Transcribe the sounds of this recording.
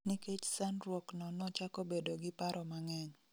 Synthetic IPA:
niket͡ʃsanɾwɔknɔnɔt͡ʃakobedoɡɪpaɾʔɔmaŋɛɲ

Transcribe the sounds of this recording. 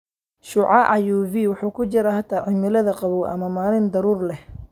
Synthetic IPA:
ʃʊʕɑʔɑjuːviwʊħuːkʰʊt͡ʃɪɾahat̪ʰaːʕɪmɪlɐðɐqɑβuːʔɐ̰mɐmaːlɪnd̪ɐɾuːrlɛh

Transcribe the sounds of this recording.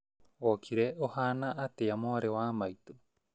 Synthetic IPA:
okʰiɾeohanaʔat̪ejamoaɾeoamajt̪u

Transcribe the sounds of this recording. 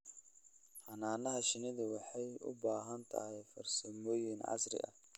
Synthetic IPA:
ħɑnaːnɐɦɐʃɪnɪðɐwɑħɑjʊ̰baːɦɐnt̪ʰɐ̰hɛjfɐ̰rsɐmɔːjɪnʕɑ̰sɾɪ̰ʔɐ̰

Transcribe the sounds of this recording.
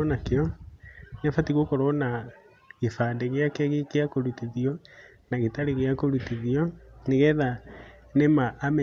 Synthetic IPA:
ɔnakeɔ | nɛfatiɣokoɾɔna | ɣefadɛɣeakaɣekeakoɾutiðiɔ | naɣetaɾeɣeakoɾutiðiɔneɣɛðanemaʔːmɛ

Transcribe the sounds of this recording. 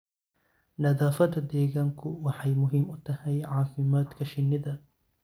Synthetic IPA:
nɐðaːfɐd̪ɐd̪ɛːɣaːŋkʰʊwɑħɑjmʊɦiːmʊt̪ʰɐhɛjʕɑːfɪmaːd̪kʰɐʃɪnːɪðɐ

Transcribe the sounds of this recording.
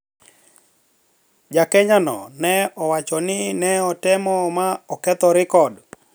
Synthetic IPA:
d͡ʒakɛɲanɔ̰nɛɔwat͡ʃɔnɪnɛɔtɛmɔmaɔkɛt̪ɔɾɪkɔd

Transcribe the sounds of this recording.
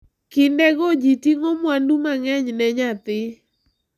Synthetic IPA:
kɪndɛɡɔd͡ʒitiŋomwandumaŋɛɲnɛɲat̪ɪ

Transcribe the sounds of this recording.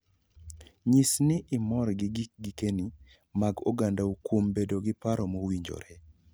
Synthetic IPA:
ɲisnɪʔɪmɔɾɡɪɡiɡikeni | maɡoɡandaukwombedoɡɪpaɾɔmowiɲd͡ʒo̰ɾe

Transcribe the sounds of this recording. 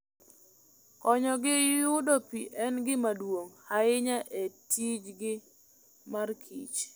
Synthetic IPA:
kɔɲɔɡɪjʊdɔpiʔɛnɡɪmadwoŋhaɪɲaʔetid͡ʒɡɪ | markʰḭt͡ʃ

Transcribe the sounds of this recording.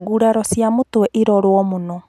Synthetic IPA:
ɡuɾaɾɔsiamutwɛʔiɾɔɾwɔmunɔ

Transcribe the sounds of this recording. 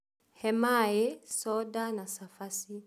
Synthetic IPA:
hɛmajesɔdanasafasi

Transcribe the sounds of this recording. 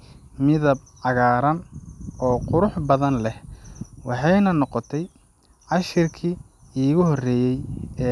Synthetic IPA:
mɪðɐb̚ | ʕɑɣaːɾɐnɔːqʊɾʊħbɐðɐnlɛhwɑħɑjnɐnɔqɔt̪ʰɛj | ʕɑʃɪrkʰiː | iːɣʊɦɔrɛːjɛjɛː

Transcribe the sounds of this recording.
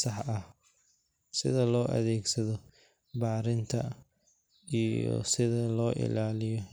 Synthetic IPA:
sɑħɐh | sɪ̰ðɐlɔːʔɐ̰ðɛːɡsɐðɔ | bɑːɾɪnt̪ʰɐ | iɔ̰sɪðɐlɔːʔɪ̰laːlɪjɔ

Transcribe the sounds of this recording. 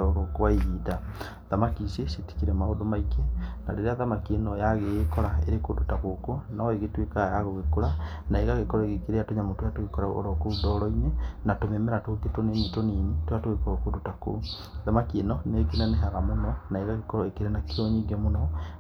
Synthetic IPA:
ɔɾɔkowaiɾiːda | ðamakiseseti̥kiɾɛmaodomaikena̰ɾeɾeaðamakienɔjaɣekɔɾaḛɾekodotaɣokonaɔeɣetwekajaɣoɣekoɾa | naeɣaɣekɔɾɔeɣekeɾeatoɲamotwatoɣekɔɾaɔ̰ɾɔkoudɔɾɔinenatomemɛɾatoketonenetoniːnitwatoɣekɔɾɔkodotako̰ | ðamakienɔnekenaneɦaɣamonɔnaeɣaɣekɔɾɔekeɾenakeoɲiːŋɡɛmonɔ

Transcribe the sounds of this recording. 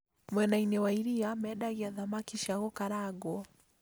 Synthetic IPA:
mwɛnainɛwaiɾiamɛɗaɣiaðamakiʃaɣɔkaɾaɡɔ

